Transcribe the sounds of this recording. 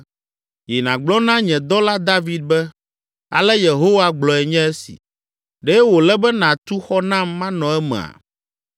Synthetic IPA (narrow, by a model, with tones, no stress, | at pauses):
jɛ˨nã˨ɡ͡blɔ˦nã˦ɲɛ̃˨d̪ɔ˦la˦d̪a˦vi˨d̪̚bɛ˦ | a̰˨lɛ˦je˨ɦo˦wa˦ɡ͡blɔ˨ɛ˨ɲɛ̃˦ɛ˦sḭ˨ | ɖɛ˦wo˨lɛ˦bɛ˦nã˨t̪u˦xɔ˦nã˦mːã˦nɔ̃˨ɛ˦mɛ̰̃˨a̰˨